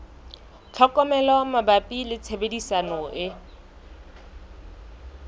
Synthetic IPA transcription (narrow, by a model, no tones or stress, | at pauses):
t͡ɬʰɔkʼɔmɛlɔmabapʼilɪt͡sʰebedisanɔʔɪ